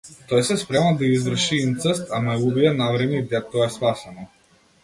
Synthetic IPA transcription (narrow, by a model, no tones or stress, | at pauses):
t̪ɔjsɛspɾɛmad̪aizvr̩ʃint̪səst̪amaɛubiɛnavɾɛmid̪ɛt̪ɔɛspasɛnɔ